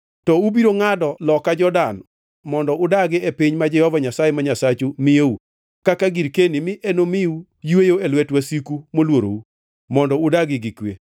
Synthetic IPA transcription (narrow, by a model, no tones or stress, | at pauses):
tɔubiɾoŋadɔlɔkad͡ʒɔdan | mɔndɔʊdaɡɪepiɲmad͡ʒɛhɔvaɲasajemaɲasat͡ʃumɪjeu | kakaɡiɾkenimɪʔenomɪu | jwejoelwɛtwasikumolwoɾo̰u | mɔndɔʊdaɡɪɡɪkwḛ